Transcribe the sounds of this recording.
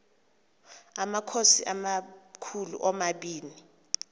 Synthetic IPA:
amakʰosiʔamakʰulṵʔɔmaɓiːni

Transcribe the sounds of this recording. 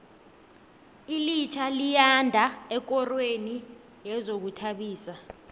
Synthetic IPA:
ilit͡ʃʰalijandʱaɛk̬ɔrweni | jɛzok̬utʰaɓiːsa

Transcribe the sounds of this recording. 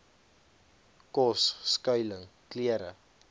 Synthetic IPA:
kɔsːkœɥləŋkliəɾə̰

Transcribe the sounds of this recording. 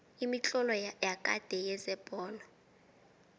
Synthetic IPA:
imit͡ɬʼɔlɔjakʼa̰d̥ʱɛjɛzɛb̥ʱɔːla

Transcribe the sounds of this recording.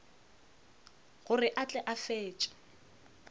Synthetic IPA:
ɣʊrɪʔat͡ɬʼɛʔafeːt͡ʃʼḁ

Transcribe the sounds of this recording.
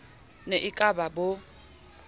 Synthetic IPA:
neʔɪkʼababo

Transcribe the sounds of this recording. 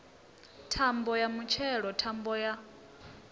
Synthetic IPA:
tʰambɔjamut͡ʃʰɛɺɔtʰambɔja

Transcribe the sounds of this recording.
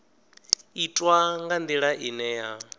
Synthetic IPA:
itʼwaŋɡand̪iɺaʔinɛja

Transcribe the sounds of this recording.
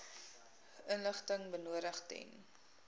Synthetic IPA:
ənləχtəŋbənuəɾəχtɛ̰n

